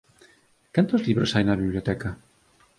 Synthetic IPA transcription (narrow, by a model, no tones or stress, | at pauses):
kant̪ozliβɾosajnaβiβlʲjot̪ɛka